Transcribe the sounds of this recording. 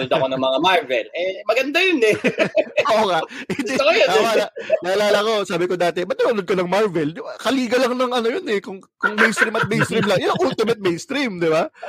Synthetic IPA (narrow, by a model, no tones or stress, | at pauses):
nod̪ɐkonɐŋmɐŋamaɹvɛ̰lɛmɐɡɐnd̪ajonɛ | ʔoŋaʔʔɛd͡ʒiojoawaːlaʔnaːlaːlɐko̞saːbɪko̞d̪aːt̪ɛbɐt̪̚nɐɐnod̪̚kɐnɐŋmaɹvɛljʊkɐliːɡɐlɐŋnɐŋʔɐno̞jonɛkʊŋkʊŋmejnst̪ɾimɐt̪̚mejnst̪ɾimlɐŋjʊnŋʔʊlt̪ɪmɐt̪̚mejnst̪ɾimd̪ɪba